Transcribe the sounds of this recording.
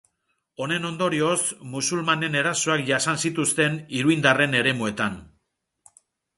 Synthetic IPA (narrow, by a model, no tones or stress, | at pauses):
o̞ne̞no̞nd̪o̞ɾio̞smusulmane̞ne̞ɾasoakʝasansit̪ust̪e̞niɾuind̪are̞ne̞ɾe̞mue̞t̪an